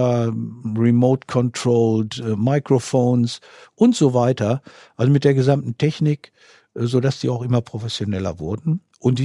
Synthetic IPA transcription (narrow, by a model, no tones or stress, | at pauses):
ɐʁɛmoʊtkʰɔntʁ̥oːltːmaɪkʁ̥ofoːns | ʔʊntz̥ovaɪtɐ | ʔalzomɪt̚d̥eːɐɡəzamtn̩tʰɛçnɪk | ʔːzodasd̥iːaʊxʔɪmɐpʁ̥ofɛsjonɛlɐ̰vʊɐdn̩ | ʔʊntd̥iː